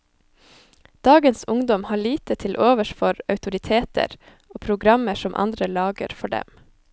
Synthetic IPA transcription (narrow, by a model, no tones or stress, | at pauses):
d̪̥ɑːɡənsʊŋd̪ɔmhɑːɭiːt̪ət̪ʰɪlʔoːʋəʃfɔɾɑʉt̪ʊɾɪt̪ʰeːt̪ʰə̰ɾ | oːpʰɾʊɡɾɑməʃɔmʔɑ̰nd̪ɾəlɑːɡə̰ɾfɔɖɛ̰m